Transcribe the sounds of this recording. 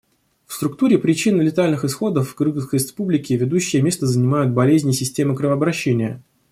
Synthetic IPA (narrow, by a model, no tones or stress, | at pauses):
fst̪ɾʊkt̪uɾʲɪpɾʲɪt͡ɕinːɨlʲɪt̪alʲnɨxɨsxo̞d̪əfɡɾɨɡəskəɾʲɪspublʲɪkʲɪvʲɪd̪uɕːɪjəmʲe̞st̪əzənʲɪmajʊt̪̚bɐlʲezʲnʲɪsʲɪsʲtʲe̞mɨkɾɨvəɐbɾɐɕːenʲɪjə